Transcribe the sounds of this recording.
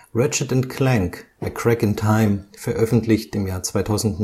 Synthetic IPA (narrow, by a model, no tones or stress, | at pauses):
ʁɪt͡ʃɐtãntkʰl̥ɛ̃ŋk | ɛkʰɹ̥ɛkɪntʰaɪmfɛɐʔœfn̩tʰlɪçtɪmjaːɐt͡sv̥aɪtʰaʊzn̩t